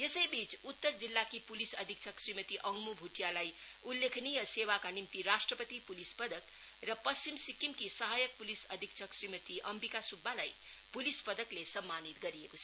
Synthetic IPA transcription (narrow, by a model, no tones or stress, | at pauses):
jesəjbit͡sut̪ːəɾd͡zilːakipulisʌd̪ʱik̚t͡ʃʰʌksɾimət̪iʔʌŋɡmubʱuʈijalaj | ulːekʰnijʌsewakanimt̪iɾasʈrəpət̪ipulispʌd̪ʱək | rʌpʌst͡ʃimsikimkisəɦajək̚pulisʌd̪ʱik̚t͡ʃʰʌksɾimət̪iʔʌmpikasubːalaj | pulispʌd̪ʱəklesʌmːanit̪ɡʌɾijekot͡sʰʌ